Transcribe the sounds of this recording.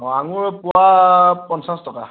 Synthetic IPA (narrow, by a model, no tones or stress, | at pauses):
ɔaŋʊɹpʊapɔnsãstɔka̰